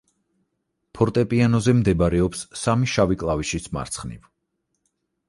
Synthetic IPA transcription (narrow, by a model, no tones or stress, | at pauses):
pʰɔɾt̪ʼɛpʼianɔzɛmd̪ɛbaɾɛɔpsːamiʃavikʼlˠaviʃisma̰ɾt̪sʰχnḭv